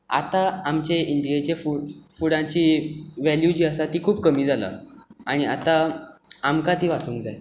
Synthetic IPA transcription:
a̰t̪aamt͡ɕeiɳɖijet͡ɕefuɽfuɽãt͡ɕiːʋæljud͡ʑiːəsat̪iːkʰuːbkəmiːd͡zala̰a̰ɽ̃ia̰t̪a | amkat̪iːʋat͡sũːŋkd͡zaj

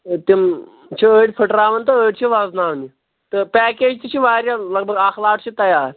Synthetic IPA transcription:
t̪im | t͡ɕʰiəɽʲpʰəʈɾaʋənt̪əəʈʲt͡ɕʰiʋad͡znaʋni | t̪əpæked͡ʑt̪it͡ɕʰiːʋaɾʲjaləɡ̚bʱəɡaklaʈt͡ɕit̪ɐjaɾ

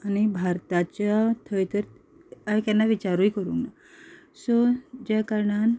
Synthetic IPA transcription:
añibʱaɾt̪at͡ɕat̪ʰəjt̪əɾ | akanːaʋit͡ɕaɾujikəɾṵŋna | sɔd͡ʑakəɾɳan

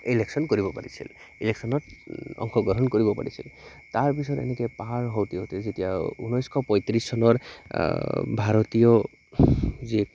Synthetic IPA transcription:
ileksɔnkoɹibɔpa̰ɹisʰḭl | ileksɔnɔtɔ̰ŋxʰɔɡɹɔɦɔnkoɹibɔpa̰ɹisʰḭl | taɹpisɔtḛnekɛpaɹɦowt̪iɦot̪ezetijaunɔjskʰɔpɔjt̪ɾissɔnɔɹ | bʱaɹɔt̪ijɔ | ze

